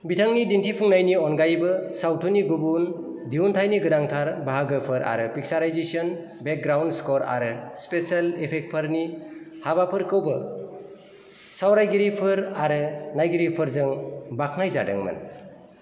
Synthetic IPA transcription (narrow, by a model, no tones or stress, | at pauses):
bitʰaŋnidintʰipʰuŋnajniɔnɡajbɯsawtʰuniɡubun | diuntʰajniɡɯdaŋtʰaɾbaɦaɡɯpʰɯɾʔa̰ɾɯpʰik̚saɾajzesɔn | bek̚ɡɾawndskɔɾa̰ɾɯspesalepʰek̚t̚pʰaɾnihaβapʰɯɾkʰɯwbɯ | sawɾajɡiɾipʰɯɾaɾɯnajɡiɾipʰɯɾzɯŋbak̚ʰnajzadɯ̰ŋmɯ̰n